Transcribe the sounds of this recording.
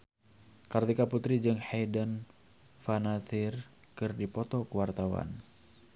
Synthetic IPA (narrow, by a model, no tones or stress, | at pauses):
kart̪ikaput̪ɾid͡ʒɨŋhajdən | fanat̪ir | kɨrdipɔt̪ɔkuwart̪awa̰n